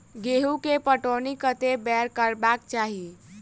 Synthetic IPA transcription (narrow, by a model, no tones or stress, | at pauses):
ɡeɦukepəʈonikət̪ebɛɾkəɾbakt͡ʃaɦi